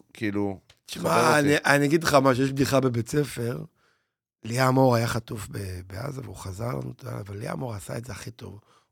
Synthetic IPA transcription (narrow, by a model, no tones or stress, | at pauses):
kʰiːlu | t̪i̥ʃmaniʔaniaɡidleχamaʃ̬ejeʃb̚d̪iχabebet͡se̞fe̞ʁ | liamo̞ʁajaχatufbebea̰zaveuχazaʁla̰nṵt̪oa̰avalːia̰mo̞ʁasa̰ezeaχit̪o̞̰v